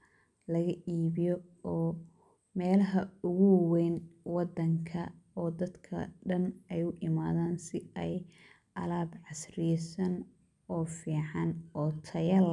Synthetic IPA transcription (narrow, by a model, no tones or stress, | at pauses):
lɐɣɐʔiːβɪjɔɔː | mɛːlɐɦɐʊɣʊwɛjnwɑd̪ɐŋkʰɐɔːd̪ɐd̪kʰɐ̰ɖɐnɛjʊʔɪmaːðaːnsɪɛj | ʔɐlaːbʕɑsrɪsɐn | ɔːfiːʕɑnɔːt̪ʰɐjɐl